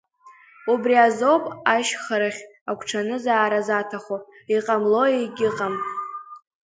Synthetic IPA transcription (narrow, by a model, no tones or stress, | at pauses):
ubriazo̞wpʼaʃχaɾɨχʲakʷʰʈ͡ʂʰanɨzaːɾazatʰaχʷo | iqʼamlo̞ejɡʲɪqʼam